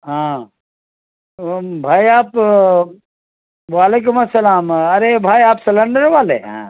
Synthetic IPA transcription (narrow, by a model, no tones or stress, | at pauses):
ɦã | bʱaːiaːp | ʋaːleːk̬ʊmɐsːɐlaːmɐɾebʱaːjaːpsɐlɐɳɖəɾʋaːlḛɦã̰ː